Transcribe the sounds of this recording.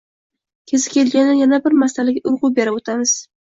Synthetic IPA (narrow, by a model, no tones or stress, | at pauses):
kʲʰezɪ̥kʲʰelɡʲanɪjanabɪɾmast̪alɪkʲʊɾʁʊbe̞ɾaot̪ʰamɪz̥